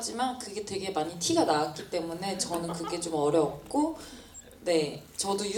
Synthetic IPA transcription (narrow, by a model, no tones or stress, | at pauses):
d͡ʑimankɯɡe̞twe̞ɡe̞maɲitʰiɡanaak̚k͈it͈e̞mune̞t͡ɕʌnɯnkɯɡe̞t͡ɕomʌɾjʌp̚k͈o | ne̞t͡ɕʌdoju